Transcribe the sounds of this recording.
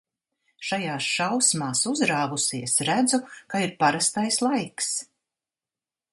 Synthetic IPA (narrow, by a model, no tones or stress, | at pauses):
ʃajaːsʃawsmaːsuzɾaːvusiɛsɾæd̪zukaiɾpaɾast̪ajslˠajks